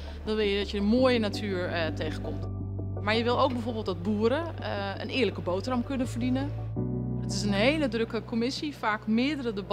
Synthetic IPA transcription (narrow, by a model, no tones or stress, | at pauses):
d̥ɔnʋɪlˠjədɔtjəəmoːjənatʰyːəɹteːɣəkomt | maɹjəʋɪlˠowɡ̚bɛjfoːɹbɪːlˠtdɔt̚buəɾə | ə̰nɪːələkəboːtrɔmkønənvərdinə | dɔtɪsənɦeːlədrøkəkʰomɪsifaːkmɪədərədəb